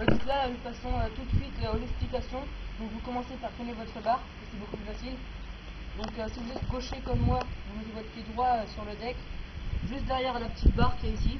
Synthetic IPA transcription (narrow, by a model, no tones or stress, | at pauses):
d̪ũk̪lanufasɔ̃øt̪ut̪sɥit̪lɛksplikʲasjɔ̃d̪ɔ̃kvukɔmɑ̃sepaʁfinevɔt̪χəbaʁpakəsɛbokuplyfasil | d̪ɔ̃køsivuzɛt̪ɡoʃekɔmːwavumət̪evɔt̪χpjed̪ʁwaøsyʁləd̪ɛkʒyst̪̚d̪ɛʁjɛʁalapə̥t̪it̪̚baʁkʲiɛisi